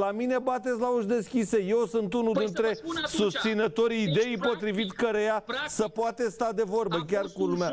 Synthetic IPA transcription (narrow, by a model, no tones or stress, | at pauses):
lamine̞bat̪et̪sʲlauʃd̪e̞skʲise̞je̞wsɨnt̪unud̪int̪ɾe̞sust̪sinət̪o̞ɾiːd̪e̞jpo̞t̪ɾivit̪ʲkəɾejasəpoat̪est̪ad̪e̞vo̞rbəkʲarkulumea